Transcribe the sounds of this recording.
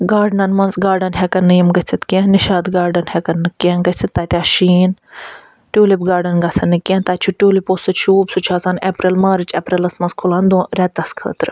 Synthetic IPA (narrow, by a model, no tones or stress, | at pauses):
ɡaːɾɖnɐnmɐnzɡaːɾɖɐnɦekɐnːɨjɐmɡɐt͡sʰit̪kʲẽniʃaːd̪ɡaːɾɖɐnhɛkɐnːɨkːenɡɐt͡sʰit̪ːaːt̪ʲaʃiːn | ʈʲuːlipɡaːɾɖɐnɡɐsɐnːɨkːʲẽːnt̪aːt͡ʃʰuʈʲuːliposɐʃʰuːbsut͡ʃʰaːsɐːnepɾelmaːɾɨt͡ʃʰeːpɾelɐsmɐnzkʰuland̪ũːɾɛt̪ɐskʰə̰ːt̪ɾ